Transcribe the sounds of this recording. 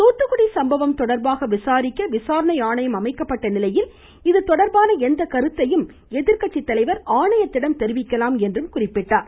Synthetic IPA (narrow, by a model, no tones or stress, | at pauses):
t̪oːt̪ːɯkɯɽisɐmbɐʋɐmt̪ɔɽɐɾbaːɣɐʋɪsaːɾɪkːɐʋɪsaːɾɐɳɐɪaːɳɐjɐmɐmɐɪkːɐpːɐʈːɐnɪlɐjɪl | ɪðɯt̪ɔɽɐɾbaːnɐɛnd̪ɐkɐɾɯt̪ːɐjɯm | ɛðɪɾkɐʈt͡ʃːɪt̪ːɐlɐɪʋɐɾaːɳɐjɐt̪ːɪɽɐmt̪ɛɾɪʋɪkːɐlaːmɛndrɯmkʊrɪpːɪʈːaːɾ